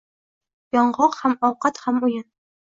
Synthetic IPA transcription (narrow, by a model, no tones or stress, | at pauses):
jɒɴɢɑqhamɒwqɑt̪hamujɤn